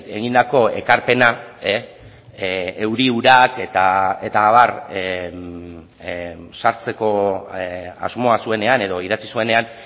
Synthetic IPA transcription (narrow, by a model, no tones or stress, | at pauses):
e̞ɣind̪ako̞e̞̰kaɾpe̞nae | e̞wɾiuɾake̞t̪ae̞t̪aːβar | saɾt͡se̞ko̞ | a̰zmo̞asue̞ne̞ane̞ðo̞iðat͡sisue̞ne̞an